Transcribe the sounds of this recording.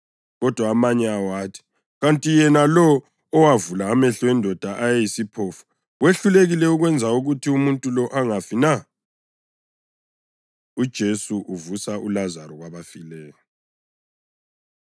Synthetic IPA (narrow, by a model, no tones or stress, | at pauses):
ɣɔd̥ʱwaːmaɲɛawaːtʰi̥ | ɣantʼijɛnalɔː | wavulaːmɛɬɔɛndʱɔd̥ʱaʔajejisipʰɔfu̥ | weɬuleɣilɛuɣwɛnd͡zʱauɣutʰiumuntʼulɔʔaŋafina | ud̥ʒ̥ʱesuʔuvusaʔulazaɾɔɣwaβafilɛːjɔ